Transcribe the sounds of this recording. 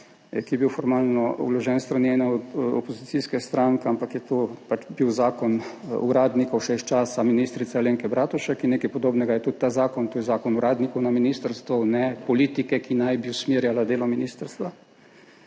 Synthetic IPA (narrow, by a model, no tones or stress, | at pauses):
ɛkijɛbiwfɔɾmaːlnɔṵlɔʒɛːnst̪ɾanjɛnaɔd̪ɔ̰pɔzit̪siskɛst̪ɾaŋkɛampakjɛt̪opat͡ʃbiwzaːkɔnṵɾaːd̪nikɔwʃɛiʃt͡ʃaːsaminiːst̪ɾit̪saleːŋkɛbɾʔaːt̪uʃakinneːkɛjpɔd̪oːbnɛɡajɛt̪ut̪̚t̪ːaːzaːkɔnt̪oːjɛzaːkɔnuɾaːd̪nikɔwnaminist̪əɾst̪ʋɔnɛpɔliːt̪ikɛkinajbiusmeːɾjalad̪eːlɔminiːst̪əɾst̪ʋa